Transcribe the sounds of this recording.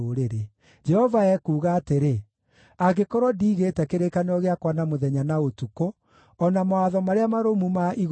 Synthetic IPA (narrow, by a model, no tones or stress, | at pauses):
oɾeɾe | d͡ʒɛhɔvaɛkuːɣaːteɾe | aɣekɔɾɔdiːɣeːtɛkeɾekaneɔɣeakwanamoðɛɲanaotuko | ɔnamaaðɔmaɾeamaɾomumaʔiɣ